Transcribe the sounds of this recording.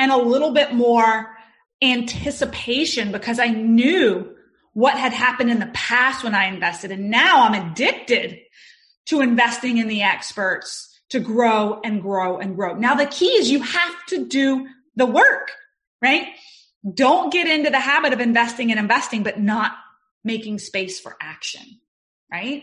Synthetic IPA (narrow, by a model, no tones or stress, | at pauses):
ɨ̃ñəlɪɾl̩ˠbɪt̚mɔɹ | æ̃ntʰɪsɨpʰeɪʃɨ̃nbɨkʰʌzaɪnjʉ | wʌt̚ɦɨd̚ɦæpɨ̃ndɨ̃nðəpʰæst̚wə̃naɪɨ̃ɱvɛstɨɾɨ̃nːaʊãɪ̃mɨdɪk̚tɪd̚ | tʰɨɨ̃ɱvɛstɪ̃ŋɨ̃nðiɛkspə˞ts | tʰɨɡɹoʊɨ̃nɡɹoʊʔɨ̃nɡɹoʊnaʊðɨkʰiɨzjɨhæftʰɨdɨ | ðəwɜ˞k | ɹaɪt̚ | d̥õʊ̃nɡ̥ɛɾɪ̃ntʉðɨɦæbɨɾʌvɨ̃ɱvɛstɪ̃ŋɨ̃ñɨ̃ɱvɛstɪ̃ŋbʌtⁿnət̚ | meɪkɪ̃ŋspeɪsfə̰˞ʔækʃɨ̰̃n | ɹaɪt̚